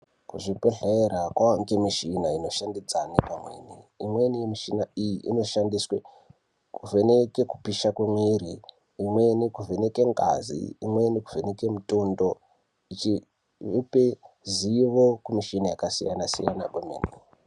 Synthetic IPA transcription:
kuʐipeɬeeɾakwaŋkemiʃinaino̞ʃandid͡zanipamwḛniimwe̞nijemiʃinaijiʔḭno̞ʃandiswe | kuvʱeneke̞ku̥piʃakwemweɾiː | mwe̞nikuvʱe̞ne̞ke̞ŋɡa̰zḭːmwe̞niku̥veneke̞muto̞ndo | it͡ʃi | upe | ziʋokumiʃinajakasijanasḭja̰na̰ɓomḛːni

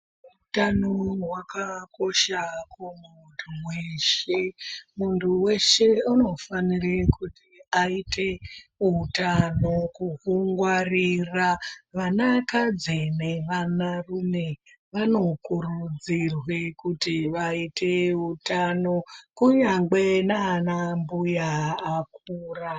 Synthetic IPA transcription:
ɦutanowakako̞ʃakumuntʰuweʃemuntʰuwe̞ʃe̞uno̞fanirekʰutiaite̞ɦutano̞kuɦuŋɡwariraʋanakad͡zeneʋanarune̞ | ʋano̞kurud͡zirwe̞kutiʋaiteɦutano̞kuɲaŋɡenaːnambujaːkuːra

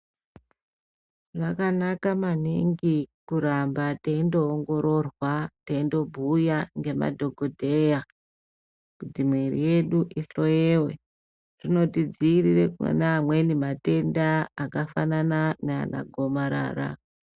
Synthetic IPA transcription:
ʐakanakamaniŋɡikuɾambateindo̞ːŋɡo̞ɾo̞rwateindo̞bʱujaŋɡe̞ma̰dʱo̞ɡʱo̞dʱe̞ja | kutimwerḭje̞ɗuʔiɬo̞jewe | rino̞tid͡ziːrireknamwe̞nimate̞ndaːkafanananea̰na̰ɡʱo̞maɾa̰ːɾa̰

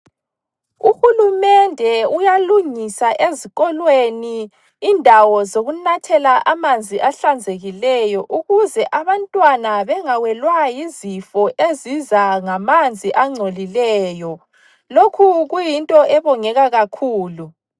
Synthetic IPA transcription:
uxulumɛndʱɛujaluŋisaʔeziɣɔlweniː | ndʱawɔzoɣunatʰɛlaʔamand͡zʱiʔaɬand͡zʱeɣilɛjɔʔuɣuzɛʔaβantʼwanaβɛŋawɛlwajizifɔʔezizaŋamand͡zʱiʔaŋ͡ǀʱolilɛːjɔ | lokʰuɣujintʼɔʔɛβɔŋɛɣaɣakʰuːlu

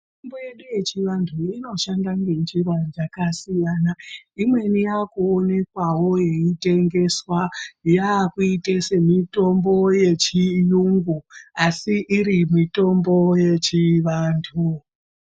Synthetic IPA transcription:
tomboje̞ɗuje̞t͡ʃiʋantʰuino̞ʃandaŋɡend͡ʒiʋad͡ʒakasijanaimwe̞nijakuːne̞kwawo̞je̞ite̞ŋɡe̞swajakuitese̞mito̞mbo̞je̞t͡ʃijuŋɡuasiʔiɾimito̞mbo̞je̞t͡ʃiʋaːntʰu

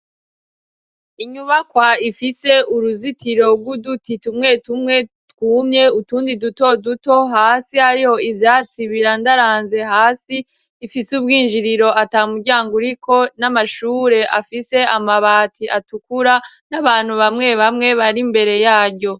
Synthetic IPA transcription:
iɲuβakwaifise̞uɾuzitiɾo̞ɡɡwudutitumŋe̞tumŋe̞ | tkuːmɲe̞utuːndiduto̞duto̞ɦaːsiaɾiho̞ivjaːt͡siβiɾandaɾaːnze̞ɦaːsiː | fisub̚ɡiːnʒiɾiɾo̞ʔataːumuɾɟaːŋɡuɾikʰo̞namaʃuːɾe̞ʔafise̞amaβaːtʰiʔatukuɾa | naβaːn̥huβamŋe̞βamŋe̞βaɾimbe̞ɾe̞jaːɾɟo̞

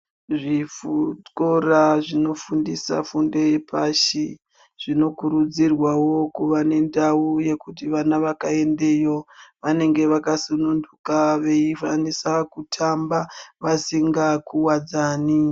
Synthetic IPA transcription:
ʐifutkoraʐino̞fundisa̰funde̞jepʰaʃi | ʐ̥ino̞kuɾud͡zirwawo̞kuʋane̞ndauje̞kutiʋanaʋakae̞nde̞jo̞ʋane̞ŋɡe̞ʋakasunundukaʋe̞ifanisakutʰambaʋasiŋɡakuwad͡zaːni

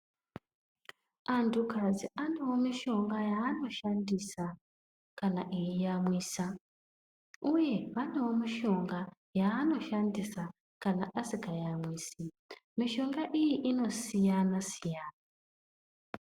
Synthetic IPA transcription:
antukad͡ziʔanewo̞miʃo̞ŋɡajaːno̞ʃandisa | kanaʔijijamwiːsa | uje̞ʋanewo̞miʃo̞ŋɡa | jaːno̞ʃandisa | kanaʔasikajamwiːsi | miʃo̞ŋɡaʔijiʔino̞sijanasijaːna

